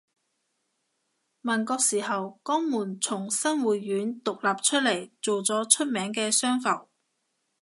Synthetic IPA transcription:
mɐ˨˩nkɔː˧k̚siː˨˩ɦɐ˨wkɔː˥ŋmuː˨˩nt͡sʰʊ˨˩ŋsɐ˥ŋwuː˨t̚jyː˨˥nt̪ʊ˨k̚laː˨p̚t͡ʃʰɵ˥t̚lɐ˨˩jt͡so˨wt͡sɔː˨˥t͡ʃʰɵ˥t̚mɛː˨˥ŋkɛː˧sœː˥ŋfɐ˨˩w

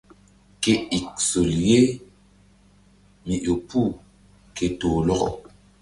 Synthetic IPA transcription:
ke˦i˨k̚so˨lje˦ | mi˨ʔo˨pʰu˦˨ | kʰe˨toː˨lɔ˦ɣɔ̰˨

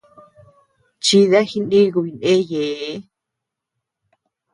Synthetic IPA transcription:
t͡ʃi˧˦ða˦xi˧nɗĩ˦˧ku˧βi˧nẽ˦je˨˦

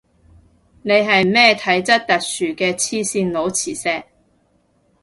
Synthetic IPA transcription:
ne˨˧jɦɐ˨jmɛː˥˩t̪ʰɐ˨˥jt͡sɐ˥t̚t̪ɐ˨k̚syː˨˩kɛː˧t͡sʰiː˧siː˧nlo˨˧wt͡sʰiː˨˩sɛː˧k̚

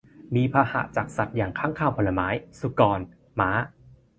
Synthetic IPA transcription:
miː˧pʰaː˧ha̰˨˩˦t͡ɕaː˨˩k̚sa˨˩t̪̚jaː˨˩ŋkʰaː˦˥˩ŋkʰaː˧˩wpʰo˧la˧maː˦˥jsu˧kɔː˧n | maː˦˥

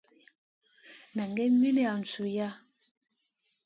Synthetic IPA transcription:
na˨ŋɡɛ˦mi˦nɛ˦˨a˨n˨su˨ja˦

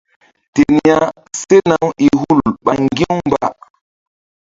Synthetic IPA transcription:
te˨ni˦a˦ | se˦na˨wi˨ɦu˦˨lɓa˨ŋɡi˦wmba˦

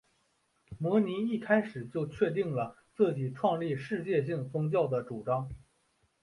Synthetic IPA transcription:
mwɔ˧˥ni˧˥i˥˩kʰa˥ɪʂɻ̩˨˩t͡ɕjo˥˧ʊt͡ɕʰɥɛ˥˧t̪̬i˥˩ŋlə˩ | t͡sɹ̩˥˩t͡ɕi˨˩ʈ͡ʂʰwɑ˥˧ŋli˥˧ʂɻ̩˥˧t͡ɕjɛ˥˧ɕ̬i˥˩ŋt͡sʊ˥ŋt͡ɕjɑ˥˩ʊd̪ə˩ʈ͡ʂu˨˩ʈ͡ʂɑ˥ŋ

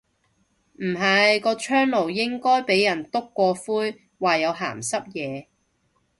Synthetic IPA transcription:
m̩˨˩ɦɐ˨jkɔː˧t͡ʃʰœː˥ŋlo˨˩wjɪ˥ŋkɔː˥jpe˨˥jːɐ˨˩nt̪ʊ˥kːʷɔː˧fuː˥j | waː˨jɐ˨˧wɦa̰ː˨˩msɐ˥p̚jɛː˨˧

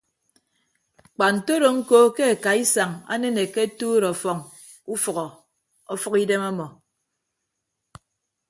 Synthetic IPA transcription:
k͡pa˨n̩˨to˦ɾo˨ŋ̩˦ko˦ke˦a˨ka˨i˦sa˨ŋa̰˦ne˦ne˨ke˦tuː˦ɾɔ˨fɔ˨ŋ | u˦fɔ˨ɣɔ˨ | ɔ˦fɔ˦ki˦de˦mɔ˦mɔ˨

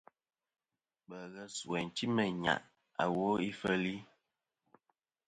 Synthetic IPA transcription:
ɓə˨ɣə˦sɛ˨n˨ti˦mə˨ɲa̰˨ʔ | a˨wo˦i˦fə˦li˦

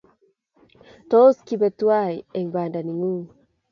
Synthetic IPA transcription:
to˦skibɛtwa˦iɛ˨ŋba˨nda˨ni˨ŋu˦

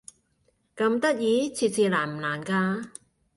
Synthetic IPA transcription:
kɐ˧˥mt̪a˦˥t̪̚jiː˨˦t͡ɕʰi˨˩si˧˩laː˨˩m˨laː˨˦nkaː˧

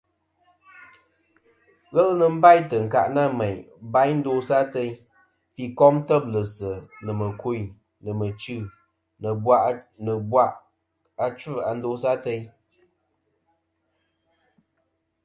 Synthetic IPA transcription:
ɣɛ˦lnə˨m̩˦ba˦˨jtə˨ŋ̩˨ka̰˨ʔna˦˨mɛ˨ | ba˨˦jn̩˦do˧˦sa˦te˦ | fi˨kɔ˦mtə˦˨b̚lə˨sə˨nə˨mə˨ku˦˨ | nɨ˨mə˨t͡ʃʉ˦˨ | nə˨bwa˦ʔnə˨bwa˦ʔ | a˦t͡ʃɨ˦˨a˨n̩˦do˦sa˦te˦j

